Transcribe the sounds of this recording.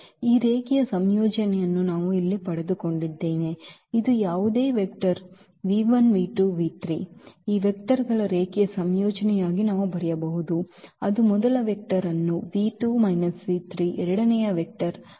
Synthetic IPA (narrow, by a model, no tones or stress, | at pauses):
iːɾeːkijɐsɐmjoːd͡ʒɐnɛjɐnːunaːʋuilːipɐɽed̪uko̞ɳɖid̪ːe̞ːneid̪ujaːʋud̪e̞ːʋek̚ʈɐɾ | ʋiːʋɐnʋiːʈuʋiːt̪ɾiːiːʋek̚ʈɐɾɡɐɭɐɾeːkijɐsɐmjɔːd͡ʒɐnɛjaːɡinaːʋubɐɾɛjɐbɐɦud̪uɐd̪umɔd̪ɐlɐʋek̚ʈɐɾɐnːuʋiːʈuːmɐjnɐsʋiːt̪ɾiːʔɛɾɐɽɐnɛjɐʋek̚ʈɐɾ